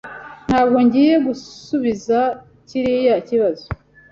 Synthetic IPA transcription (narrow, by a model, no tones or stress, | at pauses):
n̥haːb̚ɡo̞ɲɟiːje̞ɡusuβiza | ciɾijaciβazo